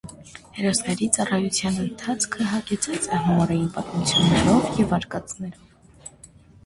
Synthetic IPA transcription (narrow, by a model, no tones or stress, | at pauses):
hɛɾɔsnɛɾit͡sɑrɑjut͡sʰjɑnənt̪ʰɑt͡sʰkʰəɦɑɡɛt͡sʰɑt͡sɛɦunɔɾɑjinpɑt̪mut͡sʰjunːɛɾɔvjɛvɑɾkɑt͡snɛɾɔv